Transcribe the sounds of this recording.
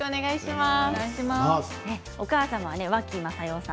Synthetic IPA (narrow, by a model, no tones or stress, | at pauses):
oːne̞ɡaiɕimaatema | e | o̞kaːsãmaβane̞βakʲimasajo̞ːsã